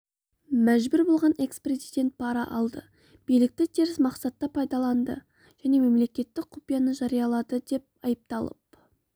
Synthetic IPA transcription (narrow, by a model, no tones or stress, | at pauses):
mæʒbʏɾbo̞lˠʁɑne̞kspre̞zijd̪ʲe̞nt̪̚pʰɑɾɑʔɑlˠd̪ə̰ | b̥ijlɪk̚t̪ɪt̪ʰeɾɪsmɑqsɑt̪ːɑpʰɑjd̪ɑlˠɑnd̪ə̰ | ʒ̥æne̞me̞mle̞kʲe̞t̪ːɪk̚qʰʊpijɑnəʒɑɾijɑlˠɑd̪əd̪e̞p̚ɑjəp̚t̪ɑlˠə̰p̚